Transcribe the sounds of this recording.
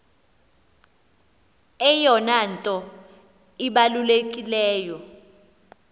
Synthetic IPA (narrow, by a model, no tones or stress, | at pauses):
ɛjɔnantʼɔ | iɓalulekʼilɛːjɔ